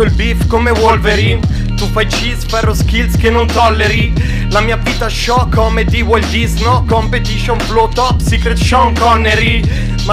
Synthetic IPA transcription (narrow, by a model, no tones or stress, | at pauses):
oilbifkomevwɔlveɾin | t̪ufajt͡ʃispɛɾoskilskenont̪ɔlːeɾi | lamiːavit̪aʃɔkːɔmed̪iwɔld̪isnokompet̪iʃonflot̪ɔpsikɾet̪ʃɔŋkɔnːeɾi | ma